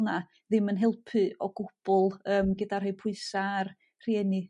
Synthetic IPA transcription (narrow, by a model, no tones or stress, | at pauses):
na | ðɪmənɦɛlˠpʰɨɔɡʊb̥ʊlˠəːmɡədarɦejpʰʊɨsaːr | r̥iɛnɨ